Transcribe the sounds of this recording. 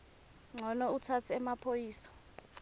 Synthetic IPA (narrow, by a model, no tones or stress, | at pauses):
ŋ͡ǀʱɔnɔutʰatʰiɛmapʰojiːsḁ